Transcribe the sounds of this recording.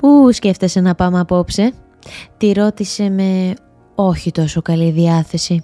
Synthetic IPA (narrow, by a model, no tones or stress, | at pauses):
pusce̞ft̪e̞se̞nɐpɐmɐpo̞pse | t̪iɾo̞t̪ise̞me̞ | o̞çit̪o̞so̞kɐliðiɐθe̞si